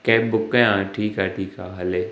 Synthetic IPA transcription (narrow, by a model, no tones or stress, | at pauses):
kɛːp̚bʊkːẽãːʈʰiːkaʈʰiːkaːɦɐle